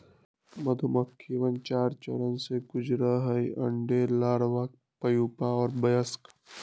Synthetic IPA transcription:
mɐd̪ʱuməkʰːiʋənt͡ʃaːɾt͡ʃɐ̰ɾənsekʊd͡ʒɾəɦəiʔɐ̰̃ɳɖeːlaːɽʋaːk̚ | pɐjuːpaɔːɾbɐjəsk

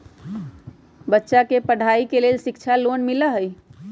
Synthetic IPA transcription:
bətːʃakepəɽ̤ʱaikelelsikt͡ʃʰalonmiləɦəj

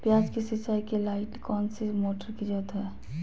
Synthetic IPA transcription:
pjaːd͡ʒkisisakelaːɪʈkɔːnsimoːʈəɾkid͡ʒət̪ɦɛː

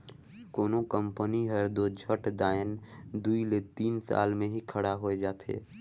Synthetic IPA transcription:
koːnokə̃mpəniɦəɾd̪od͡ʒʱəʈd̪aːənd̪uilet̪iːnsa̰ːlmẽɦikʰəɽaɦoed͡ʒaːt̪ʰḛː

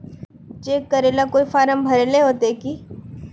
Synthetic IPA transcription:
d͡ʒeːkəɾelakoːifaːɾəmbʱɐɾeleɦoːt̪eekiː

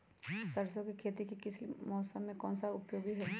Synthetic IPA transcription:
sɐɾsokekʰeːt̪ikikɪsimɔːsəmːẽkɔːnsaʊpjoːɡiɦɛː

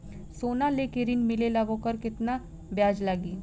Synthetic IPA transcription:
soːnalekeɾɪnmɪlelaʋõkəɾkɪt̪na | bjaːd͡ʒlaɡiː

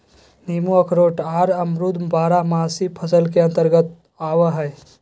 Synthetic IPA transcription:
niːmuɐkʰɾoːʈaːɾɐmɾud̪mbaːɾamaːsipʰəsəlkeɐ̃nt̪əɾɡət̪̚ | aːwaɦɛː

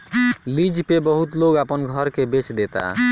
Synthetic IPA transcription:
lid͡ʒpebəɦut̪loɡapənɡʱəɾkebet͡ʃd̪et̪a̰

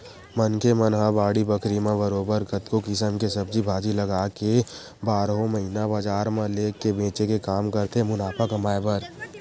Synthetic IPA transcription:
mənkʰemənɦabaːɽibəkʰɾimẽbəɾoːbəɾkət̪kokɪsəmkesəb̚d͡ʒibʱaːd͡ʒilɐɡaːke | baːɾɦõməɦinabəd͡ʒaːɾmẽleːkːebẽːt͡ʃekekaːmkəɾt̪emʊnaːpʰakəmaːepəɾ

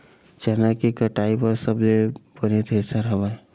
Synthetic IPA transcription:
t͡ʃənakikəʈaipəɾsəbd͡ʒebənet̪ʰesəɾɦəba

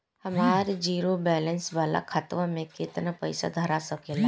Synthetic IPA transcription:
hɐmaːɾd͡ʒiːɾobɛːlənsʋaːla̰kʰət̪ʋamẽket̪napəɪsa̰d̪ʱɐɾasəkeːla

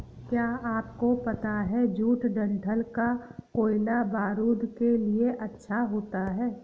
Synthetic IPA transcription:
kjaːaːpkopɐt̪aɦɛd͡ʒuːʈɖɐ̃ɳʈʰəlkakoːɪlabaːɾuːd̪kelieʔɐtːʃʰaɦoːt̪aɦɛː

